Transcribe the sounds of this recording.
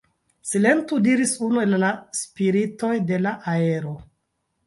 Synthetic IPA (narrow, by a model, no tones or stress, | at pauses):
sile̞ntudiɾisunue̞lːaspiɾito̞jde̞laʔae̞ɾo̞